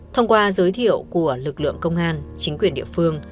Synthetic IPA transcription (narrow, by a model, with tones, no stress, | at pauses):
t̪ʰə˧wŋ͡mkwaː˧zəː˨˦jt̪ʰḭ˧˨əwku˧˩əlɨ˨˩k̚lɨ̰˧˨əŋkə˧wŋ͡mʔaː˧nt͡ɕï˨˦ŋ̟kwi˧˩ənɗḭ˧˨əfɨ˧əŋ